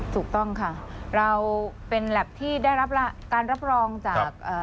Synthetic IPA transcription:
t̪ʰuː˨˩k̚t̪ɔ˥˩ŋkʰa˥˩ɾa˧wpe˧nlɛː˨˩p̚t̪ʰiː˥˩daː˥˩jɾa˦˥p̚la˦˥kaː˧nɾa˦˥p̚ɾɔː˧ŋt͡ɕaː˨˩k̚ʔaː˨˩

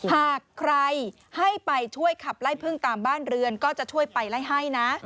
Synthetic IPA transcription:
haː˨˩kʰːɾa˧j | ha˥˩jpa˧jt͡ɕʰu˥˩əjkʰa˨˩p̚la˦˥˩jpʰɯ˥˩ŋt̪aː˨˧mbaː˥˩nɾɯ˧ənkɔː˥˩t͡ɕa˨˩ʔt͡ɕʰu˥˩əjpa˧jla˥˩jɦa˥˩jna˦˥ʔ

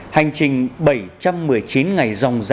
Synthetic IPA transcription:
ha˨˩jŋ̟t͡ɕï˨˩ŋ̟ɓə˧˩jt͡ɕa˧mːɨ˨˩əjt͡ɕi˨˦nŋa˨˩jzɔ˨˩wŋ͡mz

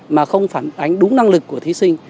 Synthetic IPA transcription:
maː˨˩xə˧wŋ͡mfaː˧˩nʔa˨˧˩jŋ̟ɗʊ˨˦ŋ͡mna˧ŋlɨ˨˩kːu˧˩ət̪ʰi˨˦sï˧ŋ̟

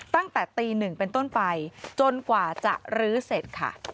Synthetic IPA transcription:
t̪a˥˩ŋt̪ɛː˨˩t̪iː˧nɯ˨˩ŋpe˧nt̪o˥˩npa˧jt͡ɕo˧nkwaː˨˩t͡ɕa̰˨˩ʔɾɯː˦˥se˨˩t̪̚kʰa̰˥˩

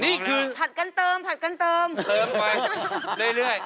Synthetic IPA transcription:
ni˦˥kɨ˧t̪ʰa˨˩t̚ka˧nt̪əː˧mt̪ʰa˨˩t̚ka˧nt̪əː˧məː˧ma˧˩ɗə˧jlɨ˨˦a˨˩

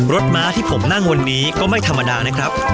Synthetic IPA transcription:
ɾo˦˥t̪̚maː˦˥t̪ʰiː˥˩pʰo˩˦mna˥˩ŋwa˧nːiː˦˥kɔː˥˩ma˥˩jt̪ʰa˧mːa˧daː˧na˦˥kʰɾa˦˥p̚

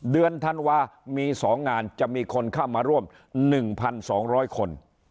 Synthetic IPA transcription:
dɯ˧ənt̪ʰa˧nwaː˧miː˧sɔː˩˦ŋːaː˧nt͡ɕa˨˩ʔmiː˧kʰo˧nkʰaː˥˩wmaː˧ɾu˥˩əm | nɯ˨˩ŋpʰa˧nsɔː˩˦ŋɾɔː˦˥jkʰo˧n

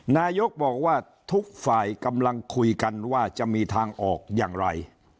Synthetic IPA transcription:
naː˧jo˦˥k̚bɔː˨˩k̚waː˥˩ | t̪ʰu˦˥k̚faː˨˩jka˧mla˧ŋkʰu˧jka˧nwaː˥˩t͡ɕa˨˩ʔmiː˧t̪ʰaː˧ŋʔɔː˨˩k̚jaː˨˩ŋɾa˧j

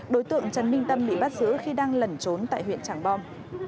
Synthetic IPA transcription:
ɗo˨˦jt̪ɨ̰˧˨əŋt͡ɕə˨˦nmï˧ŋ̟t̪ə˧mɓḭ˧˨ɓa˦˥t̚zɨ̰˧˥xi˧ɗaː˧ŋlə˨˩nt͡ɕo˨˦nt̪a̰ː˧˨jɦwḭ˧˨ənt͡ɕaː˧˩ŋɓɔ˧m

